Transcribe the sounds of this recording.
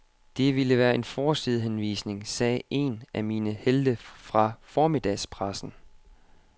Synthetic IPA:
d̥e̝ʋiləʋæːɐʔe̝nfɒːsið̩ˠɦenʋḭːsne̝ŋsɛːʔe̝̰nʔæmiːnəheld̥əfʁɑ̈fɒːmid̥ɛ̰spʰʁasn̩

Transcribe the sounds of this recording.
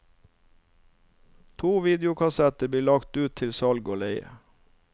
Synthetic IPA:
t̪ʰuːʋiːd̪jʊkʰɑsɛt̪əb̪iːlɑkt̪ʉːt̪ʰɪlsɑlɡoːleɪə̰

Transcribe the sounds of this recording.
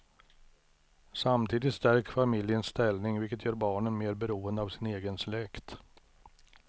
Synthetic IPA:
samt̪ʰiːd̪ɪt̪st̪æɾkfamɪljənst̪ɛlnɪŋvɪlkət̪ʰjœːɾbɑːɳənmeːɾbɛɾuːənd̪əavsɪneːɡənslɛkt̪

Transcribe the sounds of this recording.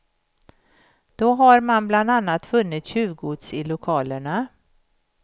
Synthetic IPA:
d̪̥ɔɦaɾmanbland̪anːat̪fɵnːɪt̪ɕʉ̟ːvɡʊd̪sɪlʊkʰɑːləɳa

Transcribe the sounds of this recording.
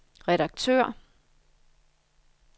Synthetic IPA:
ʁɛɾɑ̈ɡ̥̚t͡sʰø̰ɐ̰

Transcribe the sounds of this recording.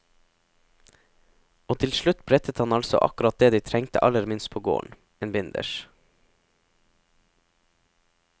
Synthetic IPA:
oːt̪ʰɪlʃɭʉt̪bɾɛt̪ət̪hɑnɑlsɔ̰ʔɑ̰kʉɾɑt̪̚d̪eːd̪iːt̪ʰɾɛŋt̪ə̰ʔɑləɾmɪnst̪̚pʰoːɡo̰ːɳ | eːnbɪnd̪ə̰ʃ

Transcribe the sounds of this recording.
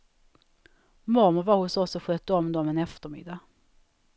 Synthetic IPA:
mʊɾmʊɾvaɾhʊsɔsɔɧœːt̪ːəɔmd̪oːmɛnɛft̪əɾmɪ̰d̪ːa

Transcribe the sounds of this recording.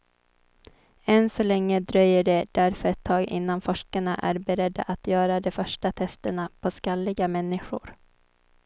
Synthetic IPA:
ɛnsɔlɛŋːəd̪ɾœjːəɖɛd̪̥æɾfœɾɛt̪ʰːɑːɡɪ̰nːanfɔʂkaɳaʔæ̰ɾbɛɾɛd̪ːa̰ʔat̪jœːɾad̪ɔfœʂʈat̪ʰɛst̪əɳapʰɔskalːɪɡamɛnːɪɧʊ̰ɾ

